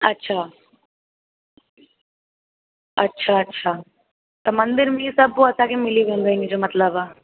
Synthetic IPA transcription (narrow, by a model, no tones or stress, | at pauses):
ɐtːʃʰa | ɐtːʃʰaɐtːʃʰaː | t̪ɐmɐ̃nd̪ɪɾmẽisɐboɐsãkemɪliʋẽːnd̪aẽŋɡid͡ʒomɐt̪ləbaː